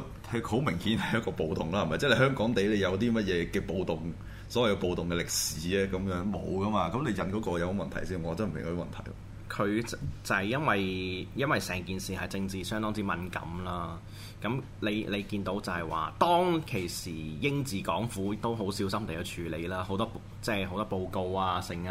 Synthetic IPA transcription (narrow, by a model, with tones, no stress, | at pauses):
hʰɵ˨˧ho˨˥wmɪ˨˩ŋhiː˨˥nhɐ˨jɐ˥t̚kɔː˧po˨wt̪ʊ˨ŋlaː˥hɐ˨˩mɐ˨jt͡sɛː˥˩le˨˧hœː˥ŋkɔː˨˥ŋt̪e˨˥jle˨˧jɐ˨˧wt̪iː˥mɐ˥t̚jɛː˨˧kɛː˧po˨wt̪ʊ˨ŋ | sɔ˨˦wɐ˨jkɛ˧po˨wt̪ʊ˨ŋkɛ˧lɪ˨k̚siː˨˥ɛː˦˥kɐ˨˥mjœː˨˥ŋmo̰˨˧wkɐ˥maː˧kɐ˨˥mle˨˧jɐ˨˧nkɔː˨˥kɔː˧jɐ˧who˨˥mɐ˨nt̪ʰɐ˨˩jsiː˥nɔ˨˧˨t͡sɐː˥nm̩˨ɪ̰˨˩kːmɐ˨nt̪ʰɐ̰˨˩jɐ̰ | kʰɵ˨˧ɥt͡sɐ˨jjɐ˥nwɐ˨jjɐ˥nwɐ˨jsɛː˨˩ŋkiː˨nsiː˨hɐ˨jt͡sɪ˧ŋt͡siː˨˩sœː˥ŋt̪ɔː˥ŋt͡siː˨˥mɐ˨nkɐ̰˨˧˥mlaː˥ | kɐ˨˥m | le˨˧jle˨˧jkiː˧nt̪o˨˥wt͡sɐ˨hɐ˨˩jwa̰ː˨t̪ɔː˥ŋkʰe˨˩jsiː˨˩jɪ˥ŋt͡siː˨˩kɔː˨˥ŋfuː˨˥t̪o˥wɦo˨˥wsiː˨˥wsɐ˥mle˨jɐ˨˧wt͡ʃʰyː˨˩le˨˧jlaː˥ho˨˥wt̪ɔː˥p | t͡sɛː˥˩ɦo˨˧˥t̪ɔː˥po˧wko˧waː˧sɪ˨˧ŋ˧